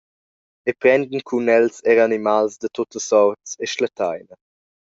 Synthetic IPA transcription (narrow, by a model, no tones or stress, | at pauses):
epɾɛnd̪nkʰunɛlseɾanimalsd̪ət̪ot̪əsɔɾtseʃlat̪ajnə